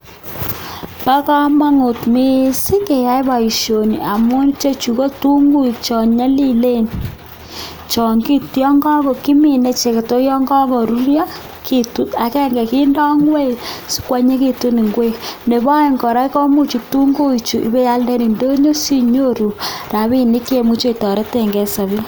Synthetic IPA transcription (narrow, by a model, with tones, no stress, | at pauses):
pa˦ka˦ma˦ŋu˨tmi˦si˦ke˨ja˦jba˨i˨ʃjo˨ni˨a˨mwo˦n˦t͡ʃe˦t͡ʃu˨ko˦tu˦ŋɡu˦i˨kt͡ʃɔ˨ɲa˦li˦le˦n | t͡ʃɔ˨ŋɡi˦tjɔ˦ŋɡɔ˦kɔ˨ki˦mi˨ne˨t͡ʃe˨ke˨to˦jɔ˦ŋɡɔ˦kɔ˨ɾu˦ɾja˦ | ki˦tu˦ta˨kɛ˦ŋɡɛ˨ki˦ndɔ˦ŋɡwe˦˨su̥˦kwa˦ɲe˦ki˦tu˦ni˨ŋɡwe˦ne˨ba˦i˦˨ŋɡɔ˨ɾa˦i˦kɔ˦mu˦t͡ʃu˨tu˦ŋɡu˦i˨t͡ʃu˨ʔḭ˦be˦ja˦lde˦ɾi˨ndo˦ɲo˦si˦ɲo˦ɾu˨ɾa˨βi˦ni˦kje˦mu˦t͡ʃo˦i˨tɔ˨ɾe˦te˦˨ŋɡe˨sa˨βi˦